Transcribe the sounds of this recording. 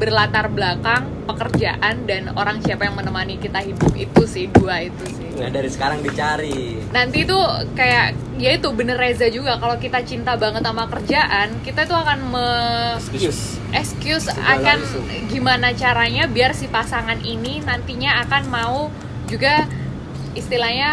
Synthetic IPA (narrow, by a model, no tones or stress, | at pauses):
bərlat̪arbəlakaŋ | pəkərd͡ʒaʔandano̰ɾaŋsiapajaŋmənəmanikit̪aɦibʊkḭt̪usɪhduait̪usɪhŋadaɾisə̥kaɾaŋdit͡ʃaɾi | nant̪it̪ukajaʔ | jait̪ubənərezad͡ʒuɡakalokit̪at͡ʃint̪abaŋət̪amakərd͡ʒaʔankit̪ait̪uakanmə | ʔɛkskjʊsa̰kan | ɡimanat͡ʃaɾaɲabiarsipasaŋanininant̪iɲaːkanmau | d͡ʒuɡa | ist̪ilahɲa